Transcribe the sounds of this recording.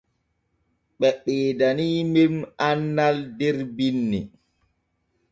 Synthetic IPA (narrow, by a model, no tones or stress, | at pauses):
ɓɛɓeːdaniːmemanːaldɛɾbinːi